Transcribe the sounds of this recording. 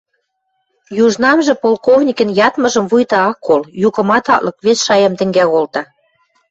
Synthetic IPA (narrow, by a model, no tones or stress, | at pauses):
juʒnɑmʒɤ̆polkovnʲikə̆njɑt̪mɤ̆ʒə̆mvujt̪ɑɑkːoljukɤ̆mɑt̪ɑlɤ̆kβesʃɑjɑmt̪ɘ̆ŋɡæɣolt̪ɑ